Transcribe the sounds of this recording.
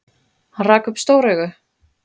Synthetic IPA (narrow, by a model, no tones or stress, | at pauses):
hanraːkʏpst̪owɾɛɣʏ